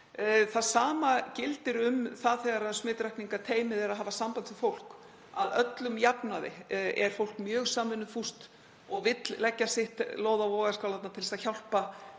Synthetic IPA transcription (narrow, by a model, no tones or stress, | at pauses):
θaðsaːmacɪlt̪ɪɾʏmθaðθɛɣaɾaðsmɪːt̪ɾahkniŋkat̪ʰeːjmɪðɛɾaðɦaːvasampant̪ʰvɪfowl̥k | aðœt̪lʏmjapnaðɪ̰ɛɾ̥fowl̥kmjœːɣsaːmvɪnʏfust̪ | ɔɣvɪt̪llɛcːasɪht̪loːwðavɔːɣaskawlant̪nat̪ʰɪlsaðçawl̥pa